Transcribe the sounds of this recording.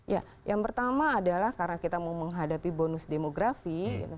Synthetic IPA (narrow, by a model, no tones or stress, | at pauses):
ja | jaŋpərt̪amaːdalahkaɾənakit̪amauməŋɦadapibonʊsdemoɡɾafḭ